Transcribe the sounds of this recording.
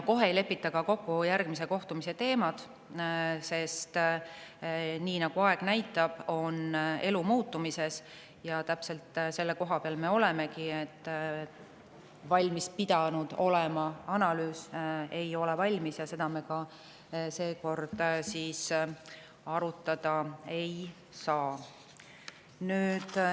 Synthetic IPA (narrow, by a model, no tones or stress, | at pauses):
ko̞ɦe̞ejle̞pːit̪ːˑɑkɑko̞kːujærɡ̥mis̬e̞ko̞ht̪umise̞t̪e̞ːmɑd̪̥ | se̞st̪ | niːnɑɡ̥uɑe̞ɡ̥næjt̪ːˑɑb̥o̞ne̞lumuːt̪ːumise̞s | jɑt̪æpse̞lt̪se̞lːe̞ko̞ɦɑpeɑlme̞o̞le̞me̞kiet̪ː | vɑlʲmispid̪̥ɑnud̪̥o̞lemɑɑnɑlyːse̞jo̞levɑlʲmisjɑse̞d̪̥ɑme̞kɑ | se̞ːko̞rd̪̥siːs | ɑɾut̪ːˑɑd̪̥ɑe̞j | sɑː | nyːd̪̥